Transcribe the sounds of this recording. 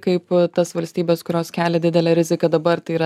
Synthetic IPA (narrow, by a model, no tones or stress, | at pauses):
kɐɪpt̪ɐsʋɐlʲsʲt̪ʲiːbʲɛːskʊɾʲoːskʲæːlʲɛd̪ʲɪd̪ʲɛlʲɛːɾʲɪzʲɪkɐd̪ɐbɐrt̪ɐɪiːɾɐ